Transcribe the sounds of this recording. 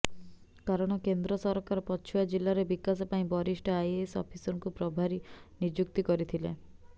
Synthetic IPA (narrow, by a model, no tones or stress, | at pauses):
kaɾɔɽ̃ɔkend̪ɾɔsɔɾɔkaɾɔpɔt͡ʃʰujad͡ʒilːaɾebikas̬ɔpaĩbɔɾisʈɔajesɔ̰pʰisɔŋkupɾɔbʱaɾinid͡ʒuk̚t̪ikɔɾit̪ʰilḛ